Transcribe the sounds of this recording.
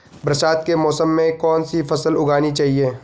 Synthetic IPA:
bɾɐsaːt̪kemɔːsəmːẽkɔːnsifɐsəlʊɡaːnit͡ʃaːɦieː

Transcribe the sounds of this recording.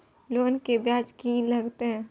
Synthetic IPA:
loːnkebjaːd͡ʒkilɐɡt̪eɦɛ̃ː

